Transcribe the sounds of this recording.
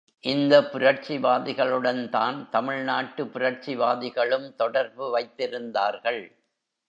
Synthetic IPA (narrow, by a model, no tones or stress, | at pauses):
ʔɪnd̪ɐpːʊɾɐɾt͡ʃiʋaːðɪɣɐɭɯɽɐnt̪aːnt̪ɐmɪɭnaːʈːɯpʊɾɐɾt͡ʃiʋaːðɪɣɐɭɯmt̪ɔɽɐɾbɯʋɐɪt̪ːɪɾɯnd̪aːɾɣɐɭ